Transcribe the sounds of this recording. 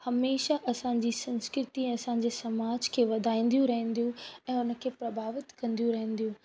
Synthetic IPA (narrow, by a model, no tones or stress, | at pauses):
hɐmeːʃaʔɐsãɲ̆d͡ʑiːsɐ̃nskɾɪt̪ĩɐsãɲ̆d͡ʑeːsɐmaːd͡ʑkʰeːʋɐd̪ʱaːĩːn̆d̪jũɾɐɦə̃n̆d̪ijũɛ̃ːʊnə̆kʰepɾɐbʱaːʋɪt̪kɐ̃nd̪ijũɾɐɦə̃nd̪ijũ